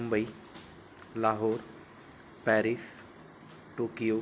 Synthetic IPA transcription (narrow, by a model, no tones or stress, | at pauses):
ʊmbəiː | laːɦoːɾ | pɛːɾis | ʈoːkijoː